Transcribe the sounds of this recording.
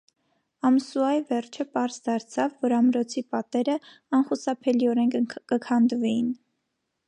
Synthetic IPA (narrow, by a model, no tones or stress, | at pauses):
ɑmsuɑivɛrt͡ʃʰəpɑɾzd̪ɑɾt͡sʰɑvːɔɾɑmɾɔt͡sʰipɑt̪ɛɾə | ɑnχusɑpʰɛliɔɾɛŋkʰkəkʰɑnd̪vɛjin